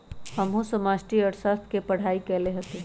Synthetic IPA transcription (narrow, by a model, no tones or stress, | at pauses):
həmɦũsəmasʈiəɾsat̪ʰkepəɽ̤aːikɛleɦət̪e